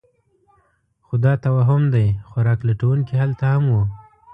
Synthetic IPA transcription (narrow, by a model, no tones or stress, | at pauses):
xʊd̪ɑt̪awɑɦʊmd̪ajxwaɾɑklaʈawuŋkihalt̪ahamwu